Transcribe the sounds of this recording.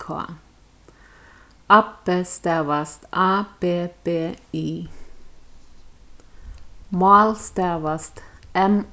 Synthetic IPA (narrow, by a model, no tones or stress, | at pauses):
kʰo̰ː | ɑpəst̪eːʋəst̪ʔɑːb̥eːb̥eːiː | mɑːlst̪eːʋəst̪ɛm